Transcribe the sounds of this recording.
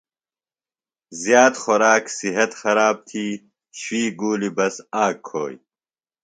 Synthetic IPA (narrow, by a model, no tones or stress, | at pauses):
zjaːt̪xoɾaːksiɦɐt̪xɐɾaːb̚t̪ʰiː | ɕwiːɡuːlibɐsaːkʰːo̰ːj